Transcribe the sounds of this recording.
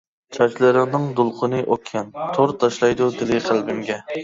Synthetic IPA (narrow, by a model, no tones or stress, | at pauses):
t͡ʃʰɑt͡ʃlˠɨɾɪŋnɨŋd̪ulˠqʰənɨʔokʲʰːɛnt̪ʰoɾt̪ʰɑʃlˠɑjd̪ud̪ɪlɪχʰælˠbɪmɡʲɛ